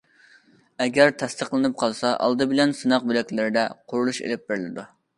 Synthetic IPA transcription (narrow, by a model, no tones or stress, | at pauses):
ɛɡʲɛɾt̪ʰɛst̪əqlˠɨnɨp̚qʰɑlˠsɑʔɑ̰lˠd̪ɨbɪlɛnsɨnɑq̚bølɛkʲlɪɾɪd̪ɛqʰʊɾulˠuʃḛlɪp̚bɪɾlɪd̪u